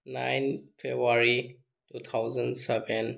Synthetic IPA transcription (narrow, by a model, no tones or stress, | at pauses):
nã̰jnfʰebaɾi | tut̪ʰawzə̃nsɛbɛ̃n